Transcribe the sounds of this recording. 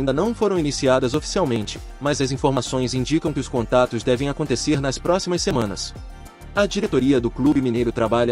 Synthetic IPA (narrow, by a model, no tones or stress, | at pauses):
ĩd̪ɐnɐ̃w̃foɾɐ̃w̃inisiad̪ɐzofi̥siawmẽnt͡ʃɪ̥ | mɐzɐzĩfoɾmasõj̃zĩd͡ʒikɐ̃w̃kɪʊskõnt̪at̪ʊzd̪ɛvẽj̃akõnt̪eseɾnɐspɾɔsimɐsːemɐ̃nɐ̰s | ɐd͡ʒiɾet̪oɾiɐd̪ʊklubɪminejɾʊt̪ɾabaʎɐ